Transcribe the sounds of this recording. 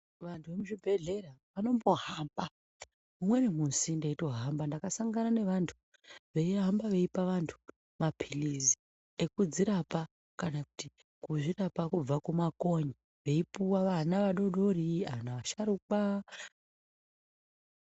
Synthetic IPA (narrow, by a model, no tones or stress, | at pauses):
ʋantʰuʋemuʐibʱe̞ɮe̞ɾaʋano̞mbo̞hamba | mumwe̞nemunsindeito̞ɦambandakasaŋɡanane̞ʋantʰu̥ | ʋe̞iɦambaʋe̞ipaʋantʰu̥ | mapʰilizi | e̞kud͡ziɾapa | kanaku̥ti | kuʐirapakub͡vakumako̞ɲi | ʋe̞ipuwaʋanaʋaɗo̞ɗo̞ɾia̰ʋanaʋaʃaɾuka